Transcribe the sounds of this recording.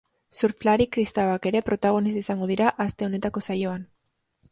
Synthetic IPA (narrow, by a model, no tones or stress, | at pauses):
suɾflaɾikɾist̪awake̞ɾe̞pɾo̞t̪aɣ̞o̞nist̪aisaŋɡo̞ðiɾaʔast̪e̞o̞ne̞t̪ako̞sajo̞an